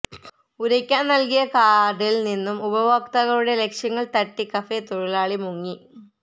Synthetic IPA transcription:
uɾɐkʲːaːnnɐlkijɐkaːɖilninːumubɐʋɐk̚t̪ɐɣɐɭuɽe̞le̞kʂjɐŋːɐɭt̪ɐʈːikɐfet̪oɻilaːɭimuŋːi

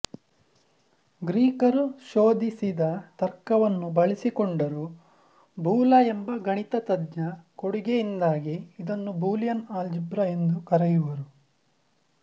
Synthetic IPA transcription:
ɡɾiːkɐɾuʃoːd̪isid̪ɐt̪ɐɾkɐʋɐnːubɐɭisikoɳɖɐɾu | bʱuːlɐembɐɡɐɳit̪ɐt̪ɐd̪ɲɐkoɽiɡejind̪aːɡiid̪ɐnːubuːlijɐnaːld͡ʒibɾɐe̞nd̪ukɐɾɛjuʋɐɾu

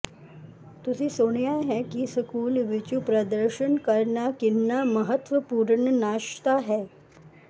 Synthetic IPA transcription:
t̪usisoːɳ̃ijaɦɛkisəkuːlʋɪt͡ʃupɾəd̪əɾʃənkəɾɳakɪnːaməɦət̪ʋəpuːɾɳənaːʃt̪aɦɛː

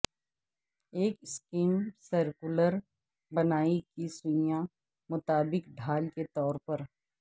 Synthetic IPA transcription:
eːkskiːmsəɾkʊləɾ | bɐnaːikisʊ̃jã | mʊt̪aːbɪkɖʱaːlket̪ɔːɾpɐɾ

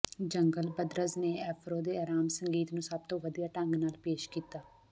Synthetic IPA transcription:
d͡ʒəŋɡəlbəd̪ɾəzneːɛːfʰɾoːd̪eːaːɾaːmsəŋɡiːt̪nũːsəb̚t̪õːʋəd̪ijaːʈə̃ŋɡnaːlpeːʃkiːt̪aː

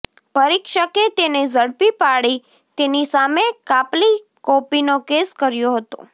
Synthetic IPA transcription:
pəɾikʃəket̪ened͡ʒəɽpipaɽi | t̪enisamekapli | kopinokeskəɾjoɦət̪o̰

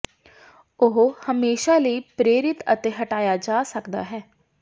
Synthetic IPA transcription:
ʊɦhəmeːʃaːləiːpɾeːɾɪt̪ə̰t̪eːɦəʈaːjaːd͡ʒaːsəkd̪a̰ːɦɛː

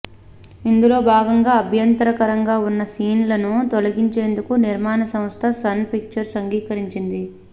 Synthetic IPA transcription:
ind̪ulo̞ːbʱaːɡɐŋɡaːɐbʱjɐnt̪ɾɐkɐɾɐŋɡaːunːɐsiːnlɐnut̪olɐɡiɲt͡ʃe̞ːnd̪ukuniɾmaːnɐsɐmst̪ʰɐsɐnpik̚t͡ʃɐɾsɐŋɡiːkɐɾiɲt͡ʃind̪i

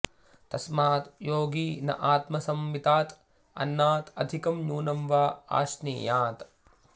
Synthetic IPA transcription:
t̪ɐsmaːt̪joːɡiːnɐ̰ʔaːt̪mɐsɐmʋit̪aːt̪ | ɐ̰nːaːt̪ɐ̰d̪ʱikɐmɲuːnɐmʋaːa̰ːʃnḭːjaːt̪

